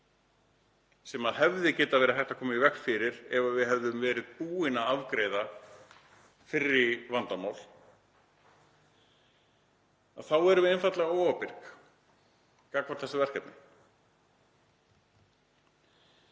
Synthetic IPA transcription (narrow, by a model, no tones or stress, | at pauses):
sɛmaðhɛvðɪcɛːt̪avɛːɾɪθɛht̪akʰɔːmaivɛhkfɪɾɪɾɛvavɪðhɛvðʏmvɛːɾɪðpuːɪnaavkɾejða | fɪrːɪvant̪amawl̥ | aðθawɛɾʏvɪɛnfat̪lɛɣaoːwapɪɾ̥k | kakvaɾθɛsavɛr̥kɛpnɪ